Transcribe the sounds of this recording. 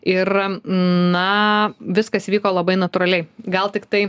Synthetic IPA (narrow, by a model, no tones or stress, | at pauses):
ɪr | nɐʋʲɪskɐsiʋʲiːkoːlˠɐbɐɪnɐt̪uɾɐlʲɛɪɡɐlˠt̪ʲɪkt̪ɐɪ